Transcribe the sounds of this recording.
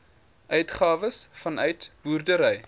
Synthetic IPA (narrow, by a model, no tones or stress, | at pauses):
ʔœɥtχɑːvəsfɐnœɥtb̥uːrdəɾɛj